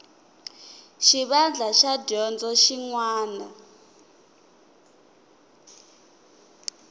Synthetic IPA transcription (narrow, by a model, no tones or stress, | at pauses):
ʃiβand͡ɮʱaʃaɟɔnd͡zɔʃiŋwaːna